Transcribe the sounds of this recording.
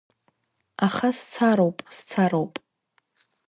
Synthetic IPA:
aχast͡sʰaɾowpʼst͡sʰaɾowpʼ

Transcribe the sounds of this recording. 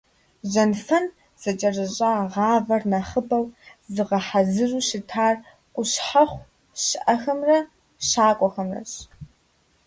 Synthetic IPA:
ʑɐnfɐn | z̥ɐt͡ʃʼɐrɐɕʼaːʁɑːvɐrnɐχɨbɐwzɨʁɐħazɨʒuːɕɪtʰaːr | kʷʼʊɕħaχʷ | ɕɪʔɐxɐmrɐ | ɕaːkʷʼɔxɐmrɐ̰ɕ

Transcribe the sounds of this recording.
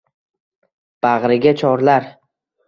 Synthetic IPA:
b̥aʁɾɪɡʲat͡ʃʰɒɾlaɾ

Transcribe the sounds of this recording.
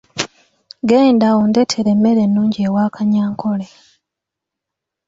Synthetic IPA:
ɡeːndaondetʰeɾemːe̞ɾe̞nːuːɲɟieːwaːkaɲaːŋkʰo̞le

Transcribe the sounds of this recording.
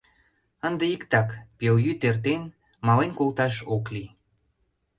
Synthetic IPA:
ənd̪eikt̪ɑkpeljyt̪ert̪en | mɑlenkolt̪ɑʃokli

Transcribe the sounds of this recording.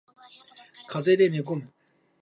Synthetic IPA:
kʰazed̪enekʊm

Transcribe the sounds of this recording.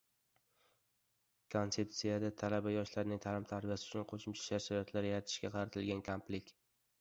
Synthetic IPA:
kʰont̪se̞p̚t̪sijad̪at̪ʰalabajɒʃlaɾnɪŋt̪ʰalɪmt̪ʰaɾbijasɪʊt͡ʃʰʊnqʰoʃʊmt͡ʃʰḁʃaɾʃaɾjɒt̪laɾjaɾat̪ʰɪ̥ʃkʲaqʰɑɾat̪ʰɪlɡʲankʰomplɪkʲ

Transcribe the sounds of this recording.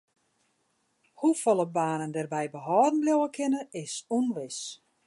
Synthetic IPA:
hufolˠəbaːnəndɛrbɛjbəɦɔːdn̩bljowəkʰɪnəɪsunʋɪs

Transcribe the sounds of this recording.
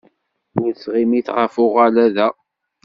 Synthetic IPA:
ʊɾsʁimiθʁəfʊʁalæðæ

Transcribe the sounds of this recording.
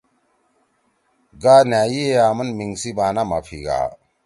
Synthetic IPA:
ɡaːnaːjieaːmɐnmiŋsibaːnama̰pʰḭɡa̰ː

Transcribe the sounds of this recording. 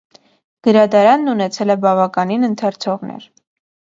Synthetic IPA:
ɡ̥əɾɑd̪ɑɾɑnːunɛt͡sʰɛlɛbɑvɑkɑninənt̪ʰɛɾt͡sʰɔʁnɛ̰ɾ

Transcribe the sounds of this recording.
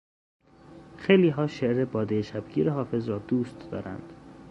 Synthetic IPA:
xejliːɦɒːʃeʔɾebɒːd̪ejeʃæbɡiːɾeɦɒːfe̞zɾɒːd̪uːst̪d̪ɒ̰ːɾʔæ̰nd̪̥

